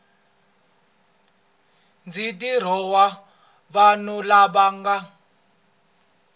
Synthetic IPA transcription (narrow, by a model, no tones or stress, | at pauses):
nd͡zitʼir̤ɔwa | βanulaɓaːŋɡa